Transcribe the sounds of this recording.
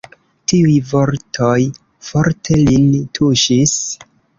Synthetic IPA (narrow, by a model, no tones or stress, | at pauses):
tiujvo̞ɾtʰo̞j | foɾtʰe̞lintʰuʃis